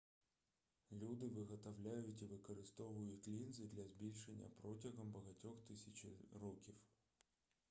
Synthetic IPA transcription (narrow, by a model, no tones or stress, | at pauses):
lʲud̪ɪʋɨɣɐt̪ɐʋlʲæjʊtʲiʋɨkɐɾɨst̪ɔvʊjʊtʲlʲinzɨd̪lʲɐzbʲilʲʃenʲːɐ̰pɾɔtʲɪɣɐmbɐɣɐtʲɔxt̪ɪsʲɐt͡ɕɪrɔkʲif